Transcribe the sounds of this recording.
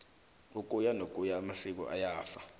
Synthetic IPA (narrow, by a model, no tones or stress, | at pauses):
uk̬ʼujanok̬ʼujaːmasik̬ɔ̰ʔa̰jaːfa